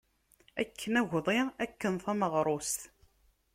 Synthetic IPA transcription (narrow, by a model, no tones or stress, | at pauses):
æ̰kʰːənæʝʷðˤiækːənθæməʁɾˤost̪